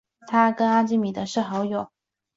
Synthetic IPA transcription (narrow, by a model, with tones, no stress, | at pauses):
t̪ʰa˥kə˥na˥t͡ɕi˥˩mi˨˩d̪ə˦ʂɻ̩˥˩xɑ˧˥ʊjo˨˩˦ʊ